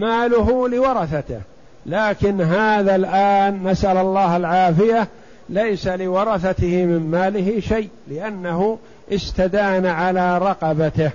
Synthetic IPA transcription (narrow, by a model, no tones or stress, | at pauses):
maːlʊɦʊlɪwɑɾˤɑθat̪ɪ̰h | laːkɪnɦaːðalʔaːnːasʔalalˤːɑːhalʕaːfɪja | lajsalɪwɑɾˤɑθat̪ɪhɪmɪmmaːlɪɦɪʃaj | lɪʔanːahʊ | ʔɪst̪ad̪aːnaʕalaːɾˤɑqɑbat̪ɪh